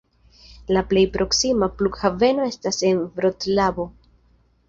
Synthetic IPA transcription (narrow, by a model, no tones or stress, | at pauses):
laple̞jpɾʔo̞ksimaplukhave̞no̞e̞stase̞nvɾo̞tlabo̞